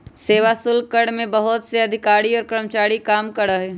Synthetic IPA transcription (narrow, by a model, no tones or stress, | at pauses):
seːʋasʊlkəɽmẽbɐɦʊt̪seɐd̪ʱɪkaːɾiɔːɾkɾəmt͡ʃaːɾikaːmkɐɾəɦɛ